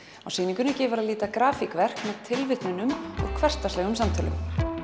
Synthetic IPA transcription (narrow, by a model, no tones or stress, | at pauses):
awsiːniŋkʏnʏcɛːvʏɾaðliːt̪akɾaːfikvɛr̥kmɛðt̪ʰɪlvɪht̪nɪnʏmɔ̰ɣkʰvɛr̥t̪aslɛɣʏmsamt̪ʰœːlʏ̰m